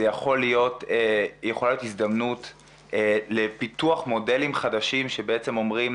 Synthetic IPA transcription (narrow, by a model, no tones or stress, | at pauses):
ejaχo̞lijo̞tejeχolajotizd̪amnut | le̞pituaχmo̞de̞limχadaʃimʃe̞beet͡se̞mo̞mʁim